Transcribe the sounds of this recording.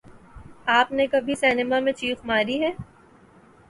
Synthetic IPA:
aːpnekɐbʱisɛːnɪmamẽt͡ʃiːfmaːɾiɦɛː

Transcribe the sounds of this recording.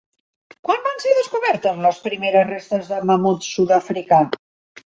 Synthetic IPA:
kwanbanseðəskuβɛɾt̪əzləspɾimeɾəsrest̪əzðəməmut̪suðəfɾika

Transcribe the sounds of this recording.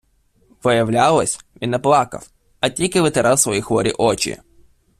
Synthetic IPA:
ʋɪjɐwlʲalˠɔsʲʋʲinɛplˠɑkɐ̰w | ɐtʲilʲkɪʋɪt̪eɾɑwsʋɔjixʋɔɾʲḭʔɔt͡ʃʲḭ

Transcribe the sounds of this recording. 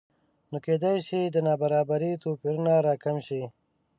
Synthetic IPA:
noːkeːd̪ajʃid̪ənabaɾaːbaɾit̪opiɾunaɾaːkamʃi

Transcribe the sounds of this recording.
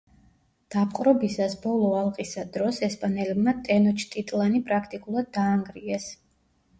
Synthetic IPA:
d̪̥ap̚ʰqʼɾɔbisasbɔlˠɔalˠqʼisad̪ɾɔsɛspʼanɛlɛbmat̪ʼɛnɔt͡ʃʰt̪ʼit̪ʼlˠanipʼɾakʰt̪ʼikʼulˠad̪̚ːaːŋɡɾiɛs

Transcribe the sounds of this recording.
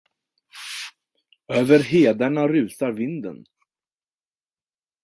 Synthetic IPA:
øːvəɾɦeːd̪aɳaɾʉ̟ːt̪aɾvɪnd̪ə̰n

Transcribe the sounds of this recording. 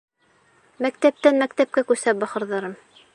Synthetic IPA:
mækt̪æp̚t̪ænmækt̪æp̚kækʉsæp̚bɑχɤ̆ɾðɑɾɤm

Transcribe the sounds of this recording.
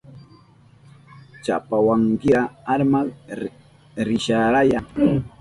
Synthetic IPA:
t͡ʃa̰pawaŋkɪɾaaɾmal | ɾɪʃaɾajaŋ

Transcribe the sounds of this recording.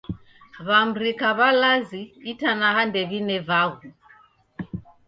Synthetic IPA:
βam̩ɾikaβalaziitanaɦandɛβinɛvaɣu

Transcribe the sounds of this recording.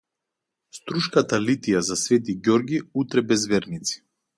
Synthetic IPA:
st̪ɾuʃkat̪alit̪ijazasvɛt̪̬iɡjɔɾɡʲiut̪ɾɛbɛzvɛɾnit̪si̥

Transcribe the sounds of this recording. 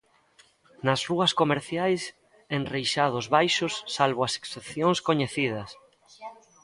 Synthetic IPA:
nɐzruɐskomeɾθjajs | enrejʃaðʊzβajʃʊsːalβoɐse̥ksepθjoŋskoɲeθið̞ɐs

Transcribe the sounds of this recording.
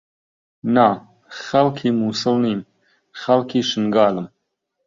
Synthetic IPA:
na | xɐlkʰiːmuːsɨlniːn | xɐlkʰiːʃɨŋɡɑːlɨm

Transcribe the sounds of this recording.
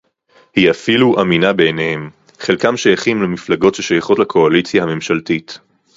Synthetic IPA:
hiafiluʔaminabe̞nehem | χelkamʃajaχimlemiflaɡo̞tʃeʃajaχo̞tlakʰo̞alit͡sjahame̞mʃaltit

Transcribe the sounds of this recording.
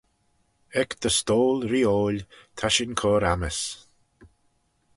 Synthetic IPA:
ɛkd̪̥əst̪oːlɾiːoːlʲt̪ʰaʃɪnkʰɔːɾaməs

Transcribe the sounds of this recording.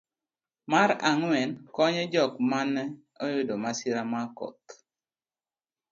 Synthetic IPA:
maɾaŋwɛnkɔɲɔd͡ʒɔkmanɛ | ɔjʊdomasɪɾamakɔ̰t̪

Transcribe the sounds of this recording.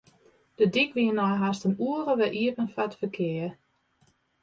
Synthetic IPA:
d̥ədikʋiənaɦastənuəɾəʋɛʔiəvənfatfəkʰɪə

